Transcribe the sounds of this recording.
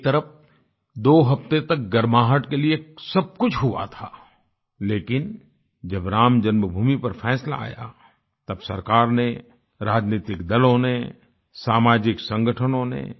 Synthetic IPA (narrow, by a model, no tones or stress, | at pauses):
t̪ɐɾəf | d̪oːɦɐpt̪et̪ɐk̚ɡɐɾmaːɦəʈkeliesɐb̚kʊt͡ʃʰɦʊa̰t̪ʰaː | leːkɪn | d͡ʒɐbɾaːmd͡ʒɐnməbʱuːmipɐɾfʰɛːsla̰a̰ːja̰ | t̪ɐbsɐɾkaːɾne | ɾaːd͡ʒniːt̪ɪkd̪ɐlõne | saːmaːd͡ʒɪksɐ̃ŋɡəʈʰənõnḛ̃